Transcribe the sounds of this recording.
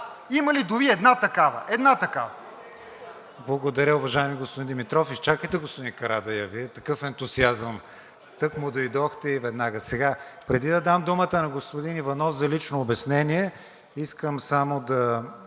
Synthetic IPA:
imɐlid̪ʊviɛd̪nat̪ɐkavə̰ʔɛd̪nat̪ɐkavɐ | blˠɐɡod̪ɐɾʲəʊvɐʒaɛmiɡospʊd̪ind̪ɛmit̪ɾɔfist͡ʃakəjt̪ɛɡospʊd̪inkɐɾad̪ɐjɐviɛt̪ɐkɤfɛnt̪ʊziazəm | t̪ɤkmʊd̪oid̪ɔxt̪ɛivɛd̪naɡəsɛɡapɾɛd̪id̪ɐd̪amd̪umət̪ənɐɡospod̪inivɐnɔfzɐlit͡ʃnoːbɛsnɛniɛ | iskəmsamod̪ɐ

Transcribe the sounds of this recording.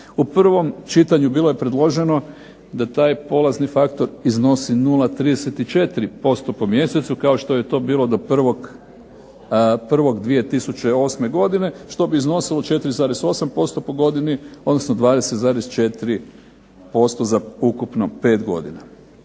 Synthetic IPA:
upr̩ʋo̞mt͡ʃit̪aɲubiːlˠoje̞pɾe̞d̪lˠo̞ʒe̞no̞ | d̪at̪aːjpo̞lˠaznifakt̪o̞ɾizno̞sinulˠat̪ɾiːd̪eset̪it͡ʃe̞t̪ɾipo̞st̪o̞po̞mje̞set̪sukao̞ʃt̪o̞je̞t̪o̞ːbiːlˠo̞d̪o̞pr̩ʋoɡ | pr̩ʋo̞ɡd̪ʋije̞t̪isut͡ɕe̞o̞ːsme̞ɡo̞d̪ine̞ʃt̪o̞biːzno̞silo̞t͡ʃe̞t̪iɾizaːɾeso̞sampo̞st̪o̞po̞ɡo̞d̪iniod̪nosnod̪ʋaːd̪e̞set̪zaːɾest͡ʃe̞t̪iɾi | po̞st̪o̞zaukupno̞pe̞ːt̪ɡo̞̰d̪ḭna

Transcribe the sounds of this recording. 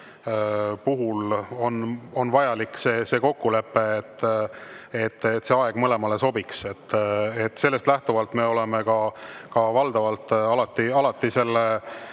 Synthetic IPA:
puɦulo̞no̞nvɑjɑlikːseːse̞ːko̞kːule̞pːe̞ːt̪ː | et̪ːet̪ːse̞ɑe̞ɡ̥mɤle̞mɑleso̞bikset̪ːet̪ːse̞lːe̞st̪læht̪uvɑlt̪me̞o̞lemekɑkɑvɑld̪̥ɑvɑlt̪ːɑlɑt̪ːˑiɑlɑt̪ːˑise̞lːe

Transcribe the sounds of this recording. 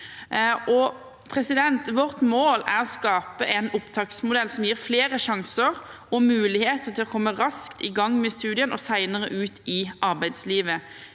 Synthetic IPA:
ʔɔ | pʰʁɛsɪd̪ɛnt̪ʋɔʁt̪moːlæʁɔskɑːpəʔɛnʊpt̪ʰɑːksmʊd̪ɛlːsɔmjiːʁfleːɾəʂɑŋsəʁ | ɔmʉːlɪheːt̪əʁt̪ʰɪlɔkʰɔmːəʁɑskt̪ɪɡɑŋːmɛst̪ʉːd̪ɪənɔsæɪnəʁəʔʉːt̪ʰɪʔɑɾbæɪd̪sliːʋə

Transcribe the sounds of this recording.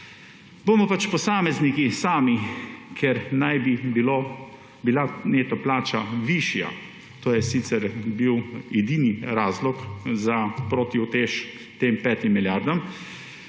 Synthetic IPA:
boːmɔpat͡ʃpɔsaːmɛznikisaːmikʰɛɾnajbibilo | bilaneːt̪ɔplaːt͡ʃaʋiːʃja̰ | t̪oːjɛsiːt̪sɛɾbiwɛd̪iːniɾaːzlɔkzapɾoːt̪iut̪eːʃ | t̪eːmpɛːt̪imːiljaɾd̪ɔm

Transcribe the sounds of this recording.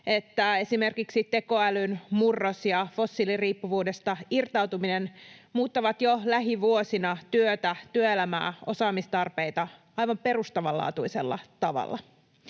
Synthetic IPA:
e̞t̪ːæe̞sime̞rkiksit̪e̞ko̞ælynmurːosjɑfo̞sːiliriːpːuʋuːdest̪ɑirt̪ɑwt̪uminenmuːt̪ːɑʋɑt̪jolæɦiʋuosinɑt̪yøt̪æt̪yøelæmæ̰ːo̞̰sɑːmist̪ɑrpe̞jt̪ɑ | ɑjʋɑmpe̞rust̪ɑʋɑlɑ̰ːt̪uiselːɑ̰t̪ɑʋɑ̰lːɑ̰

